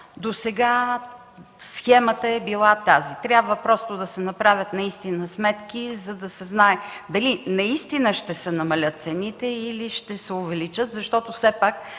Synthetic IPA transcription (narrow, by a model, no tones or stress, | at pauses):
d̪osɛɡa | sxɛmət̪əɛbilˠat̪azit̪ɾʲjabvəpɾɔst̪od̪ɐsɛnɐpɾavʲət̪nɐist̪inəsmɛt̪k̟izɐd̪ɐsɛznaɛd̪ɐlinɐist̪inəʃt̪ɛsɛnɐmɐlʲət̪̚t̪sɛnit̪ɛiliʃt̪ɛsɛovɛlit͡ʃət̪zɐʃt̪ɔt̪ofsɛpak̚